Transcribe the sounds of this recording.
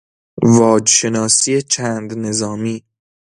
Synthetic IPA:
vɒːd͡ʒʃe̞nɒːsiːe̞t͡ʃʰæːnd̪ne̞zɒːmiː

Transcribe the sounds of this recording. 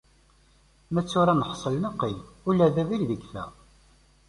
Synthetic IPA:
mæt͡sːʊɾanəħsˤəlnəqːilulːæðævilðəɡθæ̰

